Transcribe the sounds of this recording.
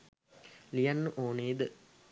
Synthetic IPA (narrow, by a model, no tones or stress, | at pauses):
lijanːəʔoːneːd̪ə